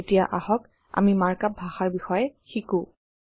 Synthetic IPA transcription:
etijaʔahɔk | a̰mimaɹkap̚bʱaxaɹbixɔjɛxikũ

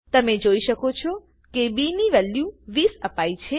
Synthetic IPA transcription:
t̪əmed͡ʒoiʃəkot͡ʃʰɔ | kebiniʋɛljũʋisəpait͡ʃʰe

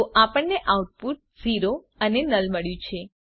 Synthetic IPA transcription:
oʔapəɳneʔauʈ̚puʈ̚ziɾo | ənenəlməɭjũt͡ʃʰe

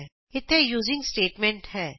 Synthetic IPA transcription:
ɪt̪ʰejuːzɪ̃ŋɡsʈeːʈmɛ̃ɳʈhɛː

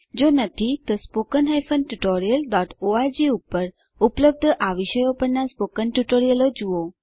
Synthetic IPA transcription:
d͡ʒonət̪ʰit̪ospokənɦajfənʈuʈoɾijəlɖɔʈʰoaɾd͡ʒiupːəɾ | upləb̚d̪ʱəʔaʋiʃəjopəɳnaspokənʈuʈoɾijəlod͡ʒuo

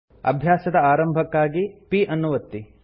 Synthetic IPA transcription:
ɐ̰bʱjaːsɐd̪ɐaːɾɐmbʱɐkːaːɡipiʔɐnːuʋɐt̪ːi

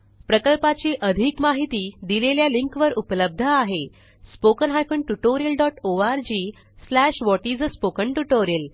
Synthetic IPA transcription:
pɾəkəlpat͡ɕiʔəd̪ʱiːkmaɦit̪iːd̪ileljaliŋkʋəɾupləb̚d̪ʱəaɦe | spokənɦajkəɳʈuʈoɾijəlɖɔʈoaɾd͡ʑiː | slæɕʋɔʈid͡zspokəɳʈuʈoɾijəl

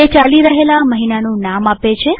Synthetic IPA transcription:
et͡ʃaliɾəɦelaməɦinanũnamapet͡ʃʰe

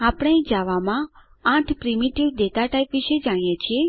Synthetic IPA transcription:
apɽ̃ẽd͡ʒaʋamã | ãʈʰpɾimiʈiʋd̪et̪aʈaipʋiʃed͡ʒaɽ̃ĩjet͡ʃʰie

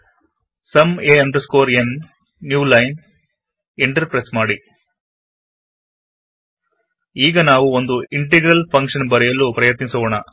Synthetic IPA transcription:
sɐmeːɐmɖɐskoːɾenː | juːlɐjn | iɳʈɐɾpɾeːsmaːɽi | iːɡɐnaːʋuond̪uiɳʈ̬eɡɾɐlpʰɐŋkʂɐnbɐɾɛjɐlːupɾɐjɐt̪nisɐʋɐɳɐ

